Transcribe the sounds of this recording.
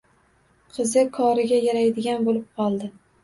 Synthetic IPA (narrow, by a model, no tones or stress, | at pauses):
qʰɨzɪkʰɒɾɪɡʲajaɾajd̪ɪɡʲanbolɪp̚qʰɒlˠd̪ɪ